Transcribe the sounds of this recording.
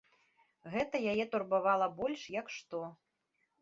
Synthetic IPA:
ɣɛt̪ɐjajɛt̪urbavalˠɐbɔlʲʂjɐkʂt̪ɔ

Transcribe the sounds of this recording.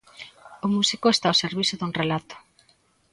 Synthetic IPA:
ʊmusikʊest̪awseɾβisʊðuŋrelat̪ʊ̥

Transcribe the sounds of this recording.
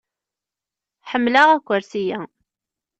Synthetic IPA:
ħəmːlaʁækʷːəɾsijæ

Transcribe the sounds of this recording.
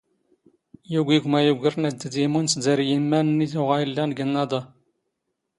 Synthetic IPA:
juɡʷiɡʷmæjuɡəɾnæd̪ːəd̪imunszəɾjimːænnːiθʊʁæjilːænɡənːɑd̪ɑ

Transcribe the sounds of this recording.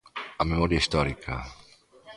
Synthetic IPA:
amemɔɾjaist̪ɔɾikʰa̰

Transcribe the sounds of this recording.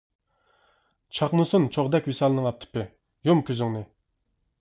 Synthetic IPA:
t͡ʃʰɑχnusunt͡ʃʰoʁd̪ɛkʲwisɑlˠɨnɨŋɑp̚t̪ʰɪ̥pɪ | jomkʲøzɪŋnɨ

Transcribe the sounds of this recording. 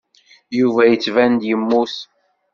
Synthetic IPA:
juvæjət͡sːvænd̪jəmːus

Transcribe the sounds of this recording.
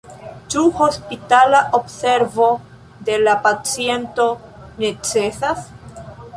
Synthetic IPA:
t͡ʃuho̞spitalaʔobse̞ɾvo̞ | d̪e̞lapat͡sie̞nto̞ne̞t͡se̞sas

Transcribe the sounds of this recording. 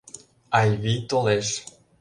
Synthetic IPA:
ajvit̪ɔ̃lɛʃ

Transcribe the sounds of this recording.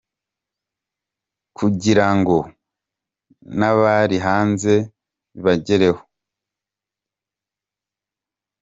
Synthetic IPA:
kʰuɟiɾaŋɡo̞ | naβaɾiɦaːnze̞ | βaɟeɾe̞ho

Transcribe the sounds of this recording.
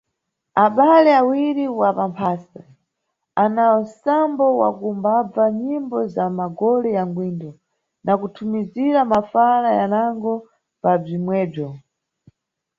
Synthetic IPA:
aɓalɛawiɾiwapampʰaːsa | anaɔnsambɔwa̰kumbab͡vaɲimbɔzamaɡɔlɛjaŋɡwindɔ | nakutʰumiziɾamafalajanaŋɡɔ | pab͡ʐimwɛːb͡ʐɔ

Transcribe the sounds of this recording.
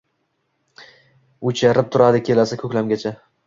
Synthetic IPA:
ʊt͡ʃʰaɾɪp̚t̪ʰʊɾad̪ɪkʲʰe̞lasakʰɵkʲlamɡʲat͡ʃʰa

